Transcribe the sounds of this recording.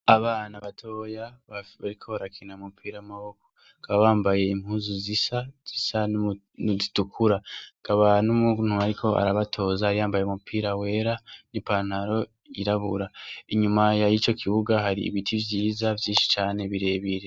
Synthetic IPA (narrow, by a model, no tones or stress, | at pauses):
aβaːnaβatʰo̞jaβaβaɾikʰo̞βaɾakʰinaumupʰiːɾajamaβo̞ko̞̥ | kʰaβaβaːmbaje̞im̥huːnzuzisaz̥isanu | nzitukʰuɾakʰaβanumun̥huaɾikʰo̞a̰ɾaβatʰo̞ːzahaɾijaːmbajeumupʰiːɾawe̞ːɾanipanaɾo̞ | iɾaβuɾaiɲumajajit͡ʃo̞kʰiβuɡaɦaɾḭːβitʰivjiːzavjĩːnʃi̥t͡ʃaːne̞βiɾe̞βiɾe̞